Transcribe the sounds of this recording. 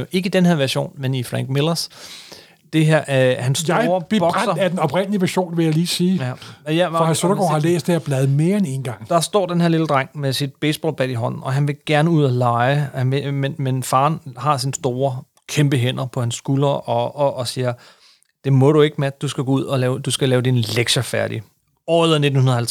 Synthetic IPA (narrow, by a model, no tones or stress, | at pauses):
e̝ɡ̥əid̥enɦeɐʋæɐɕo̝̰ːnmenifʁæŋɡ̥melɐs | d̥e̝ɦeɐ̰hænsːɐb̥b̥ɒ̽ɡ̥sɐædenɒpʁɛnəliʋæɐɕo̝̰ːnʋe̝jäɪliːsiːjæhæɐsoɾɐɡ̥o̰hɑlḛːsd̥eeɐb̥lɛð̞̩ˠme̝ːɐene̝ːnɡ̥ɑ̈ŋ̰d̥ɑ̈sd̥ɒ̰ːd̥enɦe̝ɐliləd̥ʁɑ̈ŋ̰mesid̥̚b̥eːsb̥ɒ̰ːlb̥æd̥iɦɒ̽n̰n̩ɒ̽ɦænʋe̝ɡ̥æɐnəuð̞̰ˠælɑ̈ɪhænʋemenmenfɑ̈ːnhɑ̈sinsd̥o̝ːɐ | kʰemb̥əɦen̰ɐpʰɒ̽hænsːɡ̥ulɐʔɒ̽ʔːsiːɐ | d̥e̝mɔ̽ɾue̝ɡ̥əmæd̥̚d̥usɡ̥æɡ̥ɔːuð̞̰ˠɒlɛːʊd̥usɡ̥ælɛːʊd̥inleɡ̥ɕɐfæɐɾ̥i | ɒeð̰ˠɐne̝dn̩hunɐð̩ˠhælt͡sʰ